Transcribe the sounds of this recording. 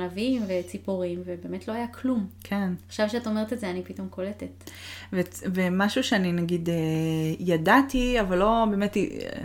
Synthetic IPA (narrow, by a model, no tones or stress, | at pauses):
navimvet͡sipuʁimvebe̞ːmetlo̞ɦajakʰlumkʰenaχʃavʃeataome̞ʁet̪ezeanipito̞mkʰo̞letetvevemaʃuʃeaninaɡidejadatiavalːo̞be̞ːmet